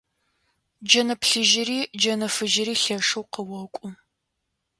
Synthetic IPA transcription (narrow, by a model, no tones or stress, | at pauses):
d͡ʒɐnɐpʰɬɨʒɪriːd͡ʒɐnɐfɨʒɪɾiːɬɐʂɨwqəwɐkʷʼʊ